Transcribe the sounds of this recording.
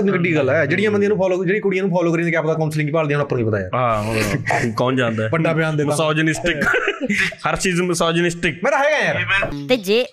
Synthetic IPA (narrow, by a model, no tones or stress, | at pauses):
nĩːkəɖiːɡəlːɛːd͡ʒeːɽɪjãːbənd̪jaːnũːpʰɔːloːd͡ʒeːɽiːkʊɽijãːnũːpʰɔːloːkəɾiãeːkaːpd̪aːkaʊnslɪ̃ŋɡiːpaːld̪ĩãːñːpːñːɡiːpət̪aːja̰ːɦãːõkɔːnd͡ʒãːnd̪aːɛpəaːbɪjaːnd̪eːasaːd͡ʒənɪsʈɪk | həɾt͡ʃiːzmsaːd͡ʒənɪsʈɪkmɛ̃ːt̪aːɛːɡãjaːɾt̪eːd͡ʒeː